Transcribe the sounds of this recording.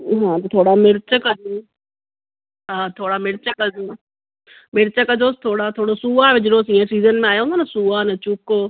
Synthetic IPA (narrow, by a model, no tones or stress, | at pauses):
ɦãːt̪ɐt̪ʰoːɽamɪɾt͡ʃəkəd͡ʒu | ɦãːt̪ʰoːɽamɪɾt͡ʃəkə | mɪɾt͡ʃəkəd͡ʒoːst̪ʰoːɽat̪ʰoːɽosuaːʋɪd͡ʒɽoːsĩːãsiːzənmẽaːjoɦõnd̪oːnɐsuaːnɐt͡ʃʊkoː